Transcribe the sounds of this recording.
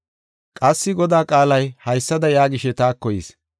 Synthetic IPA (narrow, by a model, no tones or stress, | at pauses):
kʼɐsːɪɡɔd̪aːkʼaːlɐjhɐjsːɐd̪ɐjaːɡɪʃɛt̪aːkːɔjiːs